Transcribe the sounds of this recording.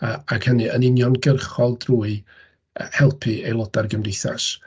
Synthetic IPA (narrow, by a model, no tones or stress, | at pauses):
aaɡhənɨənɪnjɔnɡərχɔlˠdruːɨ | hɛlˠpʰiejlˠɔdarɡəmrɪθa̰s